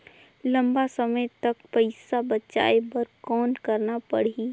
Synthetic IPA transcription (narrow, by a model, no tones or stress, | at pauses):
lɐ̃mbasəməjt̪ɐkpəɪsabɐtːʃa̰ːebəɾkɔːnkəɾnapəɽi